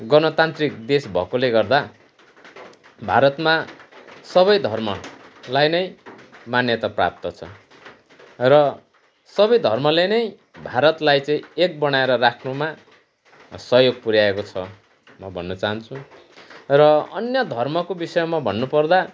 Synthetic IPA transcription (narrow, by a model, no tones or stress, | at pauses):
ɡʌnʌt̪ant̪rikd̪esbʱʌ̰koleɡʌrd̪a | bʱa̰ɾʌt̪ma | sʌβʌjd̪ʱʌrmʌ̰lajnʌjmanjʌt̪apra̰p̚t̪ʌt͡sʰʌ | rʌ | sʌbʌjd̪ʱʌrmʌlenʌj | bʱaɾʌt̪lajt͡sʌĩek̚bʌñaeɾʌrakʰnuma | sʌɦjoɡ̚puɾjaekot͡sʰʌ | mʌbʱʌnːʌt͡saɦʌnt͡sʰu | rʌʌnjʌd̪ʱʌrmʌkobisʌjomabʱʌnːupʌrd̪a